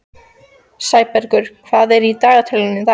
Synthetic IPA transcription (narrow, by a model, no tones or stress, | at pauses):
saːjpɛɾkʏɾ̥kʰv̥aðɛɾit̪aːɣat̪ʰɛlɪnːɪθa